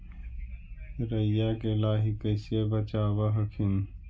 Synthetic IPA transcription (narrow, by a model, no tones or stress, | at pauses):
ɾɐjaːkelaːɦikɐsebɐt͡ɕaːwɐɦɐkʰin